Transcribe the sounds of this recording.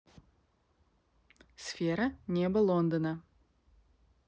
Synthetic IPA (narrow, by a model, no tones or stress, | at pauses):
sfʲeɾənʲebəlˠond̪ənə